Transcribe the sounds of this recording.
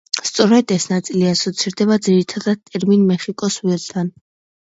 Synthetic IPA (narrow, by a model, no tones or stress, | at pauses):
st̪sʼɔɾɛd̪ɛsnat̪sʼiliasɔt̪sʰiɾd̪ɛbad̪ziɾit̪ʰad̪ad̪̥̚t̪ʼɛɾminmɛχikʼɔswɛlt̪ʰan